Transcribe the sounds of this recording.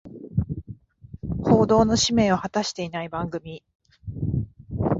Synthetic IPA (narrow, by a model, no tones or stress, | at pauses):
ho̞ːd̪o̞ːno̞ɕime̞ːohat̪aɕi̥t̪e̞inaibãŋɡɯ̟mʲi